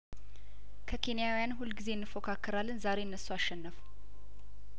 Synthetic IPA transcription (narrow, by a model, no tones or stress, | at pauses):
kʰəkʰe̞nijawijanɦulɡize̞ɨnːɨfokʰakʰːɨɾalːɨnzaɾe̞ɨnːəsoaʃːɛnːəf